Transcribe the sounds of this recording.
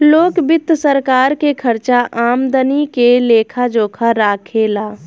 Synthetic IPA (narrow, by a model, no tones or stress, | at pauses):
loːkbɪt̪ːsəɾkaːɾkekʰəɾt͡ʃaʔaːmd̪ənikeleːkʰad͡ʒoːkʰaɾaːkʰelaː